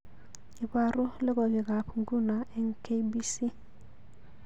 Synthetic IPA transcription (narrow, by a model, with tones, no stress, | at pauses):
i˨ba˨ɾʊ˦lɛ˦ɡɔ˨be˨ɡa˨pʰɡu˦na˨ɛ˨ŋke˦bi˦si˦